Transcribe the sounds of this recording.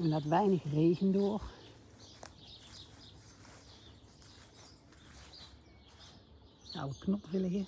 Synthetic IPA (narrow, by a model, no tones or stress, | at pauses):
ɛndɑtʋɛjnəxreːɣəndʊːr | sɑ̰wəknɔpvɪləɣɪ